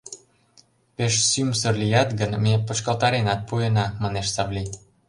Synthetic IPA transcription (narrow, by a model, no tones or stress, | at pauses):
peʃsymsərlʲijɑt̪ɡə̆nmepə̆t͡ɕkɑlt̪ɑɾenɑt̪̚puenɑmɑneʃsɑβlʲi